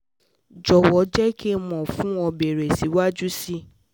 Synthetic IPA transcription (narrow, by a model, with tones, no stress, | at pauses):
d͡ʒɔ˨wɔ˨˦d͡ʒɛ˦ke˦mɔ̃˨fũ˦ɔ˧be˨ɾe˨si˨˦wa˦d͡ʒu˦si˦